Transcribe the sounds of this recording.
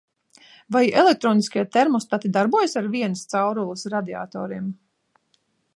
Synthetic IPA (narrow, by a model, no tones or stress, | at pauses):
vajɛlek̚t̪ɾɔːniskʲiɛt̪ɛɾmɔst̪at̪id̪aɾbuɔjasaɾviɛnəst̪sawɾulˠɨsɾad̪ia̰ːt̪o̰ːɾiɛm